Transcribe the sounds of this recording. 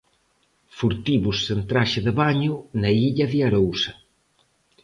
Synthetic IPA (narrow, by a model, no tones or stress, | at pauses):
fuɾt̪iβusːent̪ɾaʃeðəβaɲunaiʎɐðiaɾowsɐ